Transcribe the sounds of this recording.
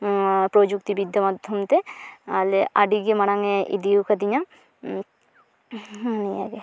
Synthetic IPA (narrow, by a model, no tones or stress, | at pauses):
pɾod͡ʒuk̚t̪ibid̪ʱːɔmad̪ʱjɔmt̪ealeʔaɖiɡemaɽaŋeʔḭd̪iukʰad̪iɲa | nija̰ɡe